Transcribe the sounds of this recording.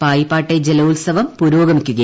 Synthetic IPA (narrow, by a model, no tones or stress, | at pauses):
paːjipːaːʈːed͡ʑelɐulsɐʋɐmpuɾoːɡɐmikʲːuɣɐ